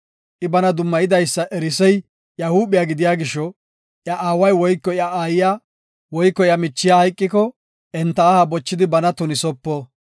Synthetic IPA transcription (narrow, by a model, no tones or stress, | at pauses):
ʔɪbɐnɐd̪ʊmːɐjɪd̪ɐjsːɐʔɛɾɪsɛj | ʔjɐhuːbɪjaːɡɪd̪ɪjaːɡɪʃːɔ | ʔjɐʔaːwɐjwɔjkːɔjɐaːjɪjaː | wɔjkːɔɪjɐmɪt͡ʃːɪjahɐjkʼːɪkɔ | ʔɛnt̪ːɐːhabɔt͡ʃːɪd̪ɪbɐnɐt̪ʊnɪsɔpːɔː